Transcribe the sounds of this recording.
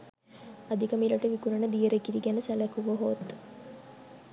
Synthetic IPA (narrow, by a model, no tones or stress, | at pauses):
ɐd̪ʱikɐmilɐʈeʋikuɾɐɳəd̪ijəɾekiɾiɡænəsɐlɐkuʋoɦoːt̪ː